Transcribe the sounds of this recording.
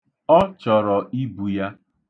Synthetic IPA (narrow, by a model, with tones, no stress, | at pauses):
ɔ˦t͡ʃɔ˨ɾɔ˨i˦bu˨ja˦